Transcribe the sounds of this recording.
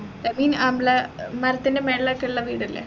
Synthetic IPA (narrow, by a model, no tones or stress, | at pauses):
ajmiːnamɭɐmɐɾɐt̪ːindemeːɭɐlɐkːeɭːɐʋiːɽilːɐ̰